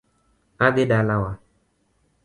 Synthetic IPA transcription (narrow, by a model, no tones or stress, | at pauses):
adeɖalawa